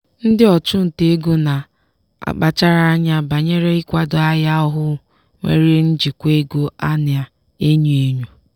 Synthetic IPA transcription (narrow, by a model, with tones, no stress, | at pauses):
n̩˦dɪ˦ɔ˨t͡ʃʊ˦n̩˨te˦e˦ɡu˦na˨ | a̰˨k͡pa˨t͡ʃa˦ɾa˦a˦ɲa˦ba˨ɲe˦ɾe˦ɪ˦kʷa˦dʊ˨a˦ja˦ɔ˦ɦʊ˦ | ŋʷḛ˨ɾi˦n̩˦d͡ʒi˨kʷe˦ɡo˦a˦nɪ˨a˨ | e˦ɲu˨e˦ɲu˦